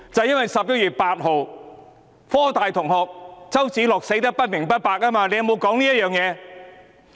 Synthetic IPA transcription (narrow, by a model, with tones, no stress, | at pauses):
t͡sɐ˨wjɐ˥nwɐ˨jsɐ˨p̚jɐ˥t̚jyː˨t̚paː˧t̚ɦo˨w | fɔː˥t̪aː˨jt̪ʰʊ˨˩ŋɦɔː˨k̚t͡sɐ˥wt͡siː˨˥lɔː˨k̚se˨˥jt̪ɐ˥k̚pɐ˥t̚mɪ˨˩ŋpɐ˥t̚paː˨k̚aː˥maː˧le˧˥jɐ˨mo˨˧wkɔː˨˥ŋliː˥jɐ˥t̚jœː˨˧ŋjɛː˨˧